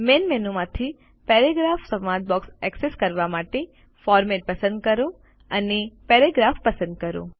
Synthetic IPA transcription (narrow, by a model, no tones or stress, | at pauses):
menmenumãt̪ʰi | peɾeɡɾafsəmad͡ʒ̪̚bɔksɛkseskəɾʋamaʈe | fɔɾmɛʈ̚pəsə̃nd̪kəɾũ | ənepeɾeɡɾafpəsə̃nd̪̚kəɾṵ̃